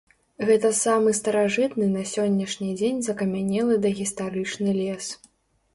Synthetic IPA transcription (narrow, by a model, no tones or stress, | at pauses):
ɣɛt̪ɐsamɨst̪ɐɾaʐɨt̪nɨnɐsʲɔnʲːɐʂnʲid͡zʲenʲzɐkɐmʲanʲɛlˠɨd̪ɐɣʲist̪aɾɨt͡ʂnɨlʲɛs